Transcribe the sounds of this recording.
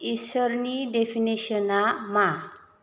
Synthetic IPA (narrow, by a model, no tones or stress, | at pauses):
isəɾniɖefʰiniɕənama